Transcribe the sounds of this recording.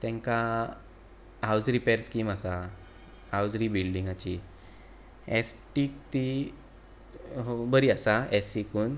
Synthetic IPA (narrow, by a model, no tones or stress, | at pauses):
t̪ɛ̃ŋka | ɦawsɾipɛɾskimasa | hawsɾibilɖĩŋɡat͡ɕi | ɛ̰sʈikt̪i | bəɾiasaesikuːn